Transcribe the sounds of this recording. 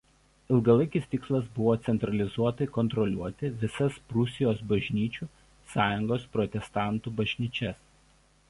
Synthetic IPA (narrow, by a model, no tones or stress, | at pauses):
ɪlˠɡɐlˠɐɪkʲɪst̪ʲɪkslˠɐsbʊʋoːt̪sʲɛnt̪ɾɐlʲɪzuɔt̪ɐɪkɔnt̪ɾɔlʲuɔt̪ʲɪʋʲɪsɐspɾʊsʲɪjoːsbɐʒʲnʲiːt͡ʃʲuː | sɑːjʊŋɡoːspɾɔt̪ʲɛst̪ɑˑnt̪uːbɐʒʲnʲiːt͡ʃʲɛs